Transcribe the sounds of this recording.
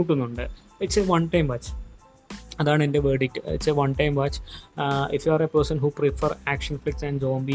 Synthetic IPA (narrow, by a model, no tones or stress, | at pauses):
uʈːunːuɳɖɨ | iʈseːʋɐnʈɐjmʋaːt͡ʃ | ɐðaːɳɨendeʋeːɖikːɨḭʈseːʋɐnʈɐjmʋaːt͡ɕ | ifjaːɾepɐɾsɐnɦuːpɾifəɾæːkʂɐnflik̚ʈsɛ̃nɖd͡ʑoːmbi